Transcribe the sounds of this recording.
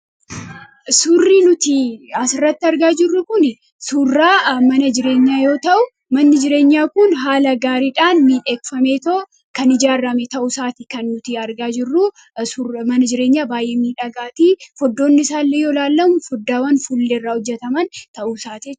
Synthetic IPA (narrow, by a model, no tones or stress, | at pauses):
sʊrːiːnʊt̪ɪɐsɪrːɐt̪ːɪɐɾɡaːd͡ʒɪrːʊkʊnɪ | suːrːaːmɐnɐd͡ʒɪɾe̞ːɲːaːjo̞ːt̪ɐʔʊ | mɐnːɪd͡ʒɪɾe̞ːɲːaːkʊnɦaːlɐɡaːɾiːᶑaːnmiːᶑeːkfɐmeːt̪oː | kɐnɪd͡ʒaːrɐmɛt̪ɐʔʊsaːt̪ɪkɐnːʊt̪ɪɐɾɡaːd͡ʒɪrːʊ | smɐnɐd͡ʒɪɾe̞ːɲːaːbaːjʔeːmiːᶑɐɡaːt̪iːfɔd̪ːo̞ːnːɪɪsaːlːejoːlaːlːɐmʊfɔd̪ːaːwɐnfulːeɪrːaːʊd͡ʒːɛt̪ɐmɐnt̪ɐʔuːsaːt̪i